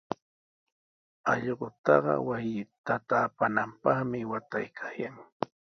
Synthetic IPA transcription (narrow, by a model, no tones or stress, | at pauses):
ɑʎɢʊt̪ɑɢɑ̰wajɪt̪at̪aːpanampɑχmɪwat̪ajkʰajaŋ